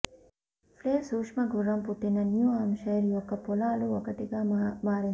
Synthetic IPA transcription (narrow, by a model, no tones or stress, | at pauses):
fleːsuʂmɐɡʱuɾɐmput̪ːenːɐnjuaːmʃɐɾiʋokːɐpolaːluʋɐkɐt̪eɡaːmaːɾen